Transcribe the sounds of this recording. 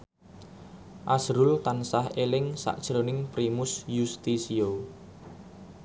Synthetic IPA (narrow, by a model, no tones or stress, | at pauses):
ʔasɾʊlt̪ansahelɪŋsa̰ʔd̥ʒ̥ɾonɪŋpɾimʊsjust̪isio